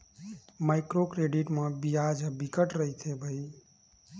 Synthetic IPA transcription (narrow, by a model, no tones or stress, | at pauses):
majkɾokɾeɖiʈmãbijad͡ʒbikəʈɾəɦit̪ʰebʱəi